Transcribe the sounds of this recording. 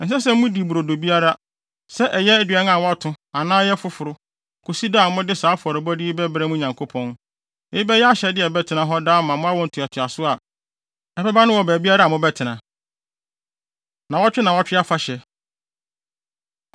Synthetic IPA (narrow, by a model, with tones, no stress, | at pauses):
n̩˨s̬ɛ˦s̬ɛ˦mũ˦di˨bu˨ɾo˨do˨bi˦a˦ɾa˦ | sɛ˦ʔɛ˨jɛ˦æ˦dɥɛ˦nã˨wɔ˦a˦tʰʊ̃˦a˨nãː˦jɛ˦fʊ˦fʊ˨ɾʊ˦ | kʰo˨si˦da˦˨mʊ̃˦dɪ˦saː˨˦fɔ˨ɾɪ˨bɔ˦di˦bɛ˦bɾɛ˦mũ˦˨ɲã˨ŋkʰo˦pʰɔ̃˦n | ɛ˨˦i˦bɛ˦jɛ˦a˦ɕɛ˨dɪ˦ɛ˨bɛ˦tʰɪ˨nã˨ɦɔ˦da˦mã˨mʊ̃˦a˦wɔ̃˨n̩˨tʰʊ˨ɛ˨tʰʊ˨a˨sʊ˦a˨ | ɛ˨bɛ˦ba˦nʊ̃˦wɔ˨bæː˨bi˦a˦ɾa˦˨mʊ̃˦bɛ˦tʰɪ˨nã˨ | nã˨wɔ˦t͡ɕᶣɪ˦nã˨wɔ˦t͡ɕᶣɪ˦a˦fa˦ɕɛ˨